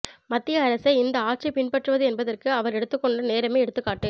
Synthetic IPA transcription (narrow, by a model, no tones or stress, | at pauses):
mɐt̪ːɪjɐɐɾɐsɐɪɪnd̪ɐaːʈ̚t͡ʃɐɪpɪɳpɐʈrɯʋɐðɯɛnbɐðɐrkɯɐʋɐɾɛɽɯt̪ːɯkːɔɳɖɯneːɾɐmeɪɛɽɯt̪ːɯkːaːʈːɯ